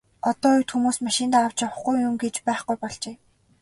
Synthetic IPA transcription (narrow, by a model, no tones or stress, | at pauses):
ɔt̪ɔːɵwt̪xumuːsmaʃɪ̆nt̪aːaw̥t͡ɕawə̆χɡujːʊmɡet͡ɕpæːχɡujpɔɮt͡ɕeː